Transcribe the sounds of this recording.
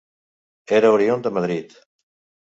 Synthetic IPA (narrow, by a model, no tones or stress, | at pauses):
eɾauɾiond̪əmaðɾit̪